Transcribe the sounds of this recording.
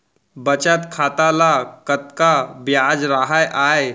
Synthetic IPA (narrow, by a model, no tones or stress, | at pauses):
bət͡ɕat̪kʰat̪alakət̪kabjad͡zɾaɦajʔaj